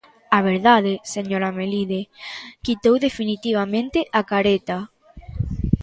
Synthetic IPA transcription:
aβ̞eɾðaðeseɲoɾameliðekit̪owðefinit̪iβ̞amẽnt̪eʔakaɾet̪a

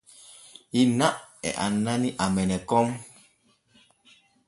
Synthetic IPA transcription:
inaʔɛ̰ʔa̰naniʔamɛnɛkɔm

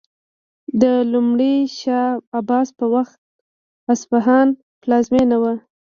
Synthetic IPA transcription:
d̪əlumɽiʃɑabɑspəwaxt̪̚ | asfaɦɑn | plɑzmenawa

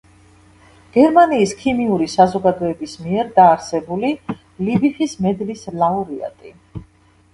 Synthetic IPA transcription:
ɡ̥ɛɾmaniːskʰimiuɾisazɔɡad̪ɔɛbismiɛɾd̪aːɾsɛbuli | libiχismɛd̪lislˠauɾia̰t̪ʼi

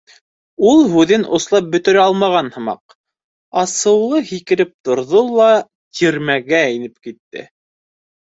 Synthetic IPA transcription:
ulˠɦʉðɘnʔŏ̰slˠɑp̚bɵ̆t̪ɵ̆ɾæɑlˠmɑʁɑnhɤ̆mɑ̰q | ɑsɤ̆wlˠɤhikɘ̆ɾɘp̚t̪ŏɾðolˠɑ | t̪ʰiɾmæɡæinɘp̚kit̪ːɘ̰

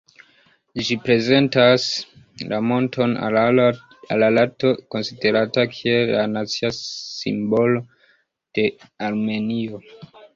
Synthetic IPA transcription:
d͡ʒipɾe̞ze̞ntas | lamo̞ntʰo̞n | alalato̞ko̞nside̞ɾatakʰie̞lːanat͡siasḭmbo̞lo̞ | d̥e̞ | aɾme̞nio

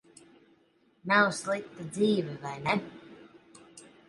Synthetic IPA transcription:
nawslˠik̚t̪ad̪ziːvɛvajnɛ

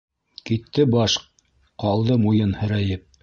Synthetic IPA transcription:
kit̪ːɘbɑʃ | qɑlˠd̪ɤmujɤnhɘ̆ɾæjɘp̚

